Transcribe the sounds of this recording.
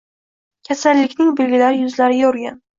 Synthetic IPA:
kʲʰasalːɪkʲnɪŋbelɡʲɪlaɾɪjʊzlaɾɪjjɒɾɡʲan

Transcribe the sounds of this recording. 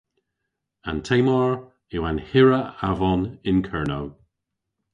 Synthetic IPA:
antʰejmaɹ | ɪwanhɪɹəavɔnɪnkʰɜɹnow

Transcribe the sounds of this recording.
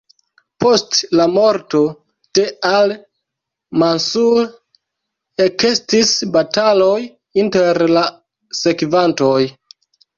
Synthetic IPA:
po̞stlamo̞ɾto̞ | te̞al | mansul | ekestisbataloj | inteɾla | se̞kvantoj

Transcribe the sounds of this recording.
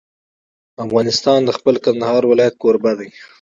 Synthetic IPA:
afɣɑnɪst̪ɑnd̪əxpəlkand̪ahɑɾwɪlɑjat̪̚koɾbad̪aj

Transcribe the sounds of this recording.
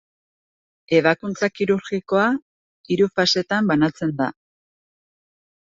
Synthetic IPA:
e̞β̞akunt͡sakiɾuɾɣiko̞a | iɾufase̞t̪ambanat͡se̞nd̪a̰

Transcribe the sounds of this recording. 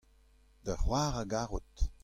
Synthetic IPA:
dəχwaːʁaɡaʁut

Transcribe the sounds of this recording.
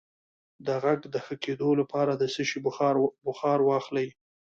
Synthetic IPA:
d̪əɣaɡd̪əxəked̪olapɑɾad̪əsəʃibʊxɑɾwɑxlaj

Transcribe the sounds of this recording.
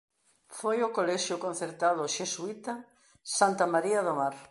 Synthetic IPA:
fojʊkolɛʃjʊkõn̟θeɾt̪aðʊʃesuit̪ɐ | sant̪ɐmaɾiɐðomaɾ

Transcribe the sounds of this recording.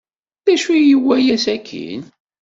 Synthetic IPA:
ðæʃujəwːæjæsækʰːḭn

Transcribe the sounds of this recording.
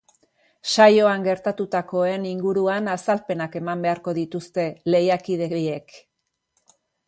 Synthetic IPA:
ʃajo̞aŋɡe̞ɾt̪at̪ut̪ako̞e̞niŋɡuɾuanasalpe̞nake̞mambe̞aɾko̞ðit̪ust̪e̞le̞jakið̞e̞ek

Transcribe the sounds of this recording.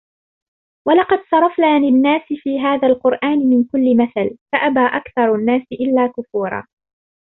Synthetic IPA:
wɑlɑqɑd̪sˤɑɾˤɑfnaːlɪnːaːsɪfiːɦaːðaːlqʊɾʔaːnɪmɪnkʊlːɪmaθalfaʔabaːʔakθɑɾˤanːaːsɪʔɪlːaːkʊfuːɾˤɑ̰ː

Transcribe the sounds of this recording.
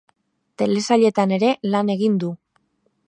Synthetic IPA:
t̪e̞le̞saʎe̞t̪ane̞ɾe̞lane̞ɣind̪u

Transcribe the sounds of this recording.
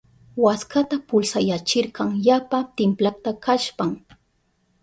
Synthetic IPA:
waskat̪apʊlsajat͡ʃɪɾɢɑŋjapat̪ɪmplat̪akaʃpaŋ

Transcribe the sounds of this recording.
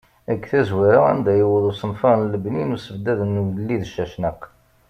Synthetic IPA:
æɡθæzwiɾaæ̰nd̪æjəwəðusənfɑnləbninusəvd̪æðnːlːiðəʃːæʃnəq

